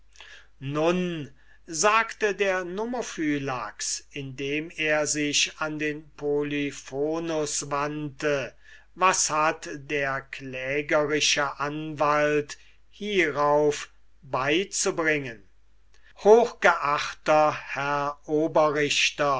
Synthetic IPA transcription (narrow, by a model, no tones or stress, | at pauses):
nʊn | zaːktədeːɐnomofyːlaksɪndeːmeːɐzɪʃandeːnpʰolifoːnʊsvantə | vashatdeːɐklɛːɡəʁɪʃəʔanvalt | hiːʁaʊf | baɪt͡subʁɪŋən | hoːxɡ̥əʔaχtɐhɛɐʔoːbɐʁɪʃtɐ